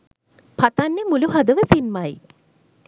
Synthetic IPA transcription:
pat̪anːemuluɦad̪əʋəsinmaj

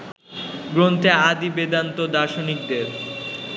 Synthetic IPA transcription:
ɡɾont̪ead̪ibed̪ant̪od̪aʃonik̚d̪eɾ

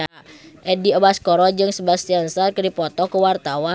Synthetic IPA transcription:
ʔɛdiɔbaskɔɾɔd͡ʒɨŋsəbast̪iansarkədipɔt̪ɔkəwart̪awa

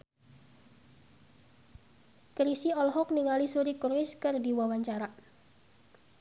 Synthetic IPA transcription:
kɾisiɔlɔɦɔkniŋalisuɾikurwɪskɨrdiwawaɲt͡ʃaɾa

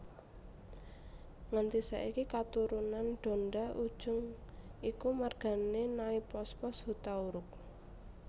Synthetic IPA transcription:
ŋant̪isa̰ʔikikat̪uɾunanɖ̪̥o̤nɖaʔud̥ʒ̥ʊŋikumarɡ̥a̤nenaipɔspɔshut̪auɾʊk̚

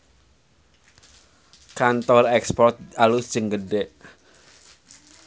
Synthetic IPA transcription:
kant̪ɔrɛkspɔrt̪̚alu̥ʒ̥əŋɡədɛʔ

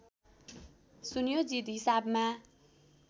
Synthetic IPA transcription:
sunjod͡zit̪ɦisabma

